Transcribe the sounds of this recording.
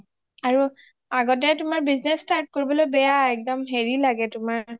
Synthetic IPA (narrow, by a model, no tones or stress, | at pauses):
aɹu | aɡɔtɛtʊmaɹbiznɛstaɹt̚koɹibɔlojbɛjaɛk̚dɔmɦeɹilaɡɛtʊmaɹ